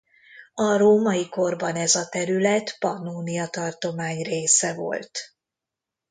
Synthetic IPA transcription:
ɒɾoːmɒiko̞rbɒnɛzɒt̪ɛɾylɛt̪pɒnuːnijɒt̪ɒrt̪o̞maːɲreːsɛvo̞̰lt̪

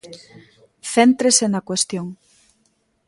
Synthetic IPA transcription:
θent̪ɾesenakwest̪joŋ

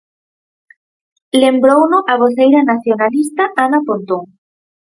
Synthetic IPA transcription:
lembɾownʊʔaβoθejɾanaθjonalist̪aʔanapont̪oŋ

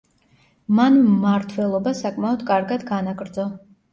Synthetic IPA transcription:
manmːaɾt̪ʰwɛlˠɔbasakʼmaɔd̪kʼaɾɡad̪ɡanaɡɾd̪zɔ

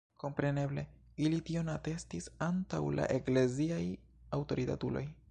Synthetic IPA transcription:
ko̞mpɾe̞ne̞ble̞ | ilitio̞nate̞stisantawla̰ʔe̞kle̞ziaj | awtoɾita̰tulo̞̰j

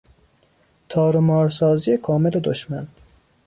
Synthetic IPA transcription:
t̪ʰɒːɾomɒːɾsɒːzijekʰɒːmele̞d̪oʃmæn

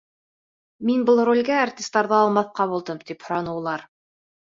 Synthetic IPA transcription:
minbɤlˠrolʲɡæːrt̪ʲist̪ɑɾðɤɑlˠmɑθqɑβulˠd̪ɤmt̪iphŏɾɑnɤ̆wlˠɑɾ

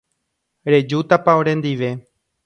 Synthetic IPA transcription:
ɾe̞d͡ʒut̪apaoɾẽ̞nd̪iʋe̞

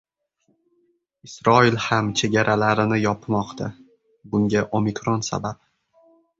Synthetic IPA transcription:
ɪsɾɒɪlhamt͡ʃʰe̞ɡʲaɾʔalaɾɪnɪjɒpmɒqt̪ʰa | bʊŋɡʲaʔomikɾonsa̰bap̚

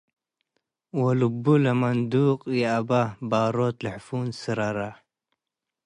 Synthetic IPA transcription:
wɐlubulamand̪uːqjeababaːɾot̪lħfuːnsɨɾaɾa

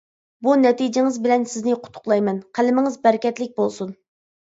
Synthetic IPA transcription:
bunɛt̪id͡ʒɪŋɪzbɪlɛnsɪznɪqʰʊ̥t̪ʰːʊ̥qlˠɑjmɛnqʰælɪmɪŋɨzbɛɾkʲɛt̪lɪk̚ʲbolˠsun

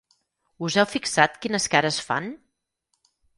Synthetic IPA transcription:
uzɛwfiksat̪kinəskaɾəsfa̰n

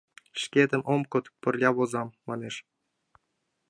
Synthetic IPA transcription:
ʃkʲed̪ɘ̆mʔomkŏt̪pɘ̆rlʲɑβozɑmːɑneʃ

